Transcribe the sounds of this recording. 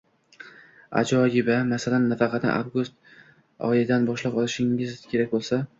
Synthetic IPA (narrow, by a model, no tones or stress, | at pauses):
a̰d͡ʒɒɪbamasalanːafɑqʰɑt̪nɪ̰ʔa̰vɡust̪̚ | ɒ̰jɪd̪anbɒʃlapɒlˠɪʃɪŋɪzkʲʰe̞ɾakʲbolˠsa